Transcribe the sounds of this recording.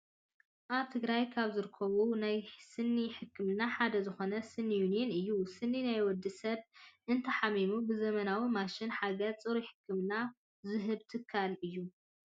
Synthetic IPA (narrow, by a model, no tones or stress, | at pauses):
ʔaβt̪ʰɨɡɾajkʰaβzɨɾɨkʰːɐβunajsɨnːiħɨkʰːɨmnaħad̪ɐzɨxo̞nɐsɨnːijunijenɨjːusɨnːinajwɔd̪ːisɐβʔɨnt̪ʰɐħamimubɨzɐmɐnawimaʃɪnħaɡɐt͡sʼɨɾiħɨ̥kʰːɨmna | zɨɦɨβt̪ʰɨkʰːalɨjːu